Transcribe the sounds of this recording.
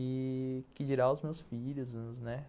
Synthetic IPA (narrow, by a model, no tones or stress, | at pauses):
ɪkɪd͡ʒiɾaʊzmewsfiʎʊzznɛ